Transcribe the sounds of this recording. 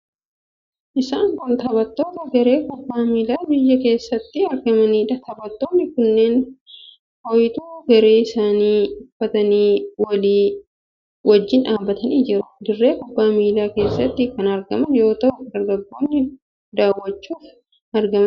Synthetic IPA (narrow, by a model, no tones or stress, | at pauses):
ʔɪsaːŋkʊnt̪ɐbɐt̪ːo̞ːt̪ɐɡɐɾe̞ːkʊbːaːmiːlaːbɪjːɐke̞ːsːɐt̪ːɪɐɾɡɐmɐniːᶑɐt̪ʰɐbɐt̪ːo̞ːnːɪkʊnːe̞ːn | fɔjɪt̪uːɡɐɾe̞ːɪsaːniːʊfːɐt̪ɐniːwɐliː | wɐd͡ʒːɪnᶑaːbːɐt̪ɐniːd͡ʒɪɾʊd̪ɪrːe̞ːkʊbːaːmiːlaːke̞ːsːɐt̪ːɪkɐnɐɾɡɐmɐnjo̞ːt̪ɐʔʊd̪ɐɾɡɐɡːoːnːɪ | d̪aːwːɐt͡ʃːuːf | ɐɾɡɐmɐ